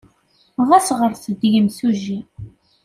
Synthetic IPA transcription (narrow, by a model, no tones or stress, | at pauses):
ʁæsʁəɾθəd̪jəmθuʒi